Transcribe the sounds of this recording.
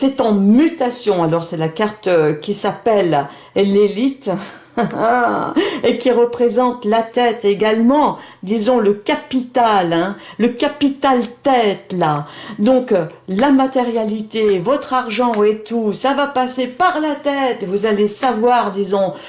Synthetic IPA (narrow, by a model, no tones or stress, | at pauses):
sɛt̪ɑ̃myt̪asjɔ̃alɔʁsɛlakaʁt̪kʲisapɛl | lelit̪ | ekʲiʁəpχezɑ̃t̪lat̪ɛt̪eɡalmɑ̃d̪izɔ̃ləkapit̪alɛ̃ləkapit̪alt̪ɛt̪lad̪ɔ̃klamat̪eʁjalit̪evɔt̪χaʁʒɑ̃ɛt̪usavapasepaʁlat̪ɛt̪vuzalesavwaʁd̪izɔ̃